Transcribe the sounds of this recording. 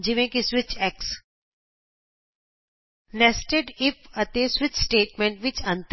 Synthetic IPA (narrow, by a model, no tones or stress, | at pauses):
d͡ʒɪʋẽkisʋɪt͡ʃɛks | nɛsʈeɖɪpɐt̪esʋɪt͡ʃsʈeːʈmẽɳʈʋɪt͡ʃɐ̃nt̪